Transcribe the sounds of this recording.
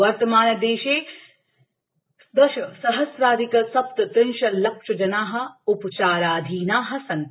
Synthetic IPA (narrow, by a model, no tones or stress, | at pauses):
ʋɐɾt̪ɐmaːnɐd̪eːʃeː | d̪ɐʃɐsɐɦɐsɾaːd̪ʱikɐsɐp̚t̪ɐt̪ɪnʃɐlɐkʃɐd͡ʒɐnaːɦɐ̆upɐt͡ʃaːɾaːd̪ʱiːnaːɦɐ̆sɐnt̪